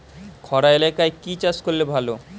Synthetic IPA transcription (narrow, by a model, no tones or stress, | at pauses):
kʰɔɾaelakajkit͡ɕaskollebʱalo